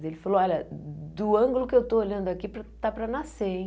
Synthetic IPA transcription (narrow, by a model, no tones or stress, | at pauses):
zelɪfaloɔʎɐd̪ʊɐ̃ɡʊlʊkɪewt̪ooʎɐ̃nd̪ʊakipɾɐt̪apɾɐnasẽ